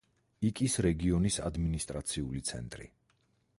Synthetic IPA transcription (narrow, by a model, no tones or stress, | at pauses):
ikʼisɾɛɡiɔnisa̰d̪minist̪ʼɾat̪sʰiulit̪sʰɛ̰nt̪ʼɾḭ